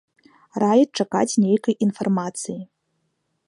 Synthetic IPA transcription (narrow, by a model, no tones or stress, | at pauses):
rajit̚t͡ʂaka̰t͡sʲnʲejkɐjinfarmat̪t͡s̪ɨji